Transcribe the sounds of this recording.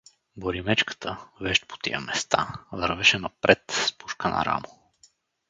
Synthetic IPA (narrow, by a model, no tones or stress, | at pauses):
boɾimɛt͡ʃkə̥t̪ʰəvɛʃt̪̚po̥t̪ḭjə̰mɛst̪avəɾvɛʃɛnɐpɾʔɛt̪spuʃkənɐ̰ɾa̰mo